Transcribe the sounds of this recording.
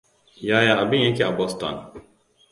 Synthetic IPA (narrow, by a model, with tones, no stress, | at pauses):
ja˦ja˦a˨bɪ˦ɲjɛ˦kʲi˦˨a˨bɔ˦stɔ̰˨n